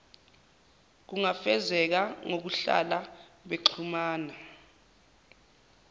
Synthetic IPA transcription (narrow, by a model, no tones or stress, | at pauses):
k̬uŋafɛzɛk̬aŋok̬uɬa̰laɓeǃʰumaːna